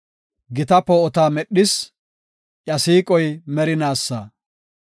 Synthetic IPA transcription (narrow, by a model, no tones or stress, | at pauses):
ɡɪt̪ɐpːɔɔt̪aːmɛɗːɪs | ʔɐsiːkʼɔjmɛɾɪnaːsːa